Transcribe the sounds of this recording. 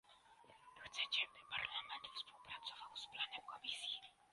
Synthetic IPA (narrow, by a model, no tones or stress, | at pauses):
xt̪sɛt͡ɕɛbɪpaɾlamɛnt̪fspuwpɾat̪sɔvawsplanɛmkɔmisji